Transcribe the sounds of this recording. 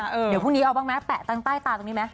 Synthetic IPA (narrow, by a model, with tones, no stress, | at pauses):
a˧˩ʔɤː˧i˨˩˦pʰu˥˩ŋniː˦˥ʔa˧wbaː˥˩ma˦˥pɛ˨˩ʔt̪aː˧ŋt̪aː˥˩jt̪aː˧t̪o˧ŋniː˦˥ma˦˥